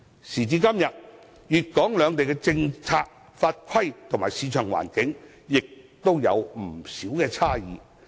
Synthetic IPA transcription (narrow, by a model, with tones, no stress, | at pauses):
siː˨˩t͡siː˧kɐ˥mjɐ˨t̚ | jyː˨t̚kɔː˨˥ŋlœː˨˧ŋt̪e˨jkɛː˧t͡sɪ˧ŋt͡sʰaː˧k̚ | faː˧t̚kʰɐ˥jt̪ʰo˨˩ŋmaː˨˩jsiː˨˧t͡ʃʰœː˨˩ŋwa̰ː˨˩nkɪ˨˥ŋ | jɪ˨k̚t̪o˥wjɐ̰˨˧wm̩˨˩siː˨˥wkɛː˧t͡sʰaː˥jḭː˨˧